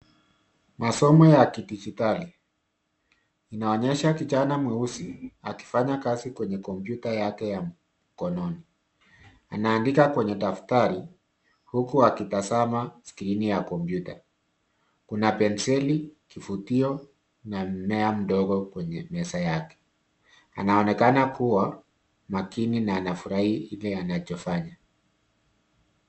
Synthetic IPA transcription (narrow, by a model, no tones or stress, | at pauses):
masɔmɔjakidid͡ʒitali | naɔɲɛʃakit͡ʃanamwɛusiaki̥faɲakazikwɛɲɛkɔmpjutajakɛjam̩ | kɔnɔni | anaːndikakwɛɲɛɗaftaɾi | hukuakitazamaskɾinijakɔmpjuta | kunapɛnsɛlikifutiɔ | nam̩mɛam̩ɗɔɣɔkwɛɲɛmɛsajakɛ̥ | a̰naɔnɛkanakuwa | makininaːnafuɾahiilɛanat͡ʃɔfaɲa